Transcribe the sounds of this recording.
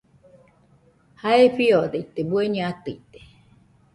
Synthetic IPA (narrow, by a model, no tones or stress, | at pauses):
haeɸiod̪eit̪ebueɲãat̪ɨit̪e̥